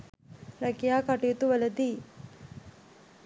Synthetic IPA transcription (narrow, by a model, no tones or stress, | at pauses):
ɾɐkijaːkɐʈijut̪uʋɐlɐd̪i